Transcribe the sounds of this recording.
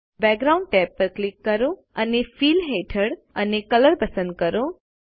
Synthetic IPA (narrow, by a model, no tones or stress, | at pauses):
bɛɡɾaʊ̃ɳɖ̚ʈɛpːəɾklɪkːəɾo | ənefiːlɦeʈʰəɽ | ənekələɾpəsə̃nd̪̚kəɾo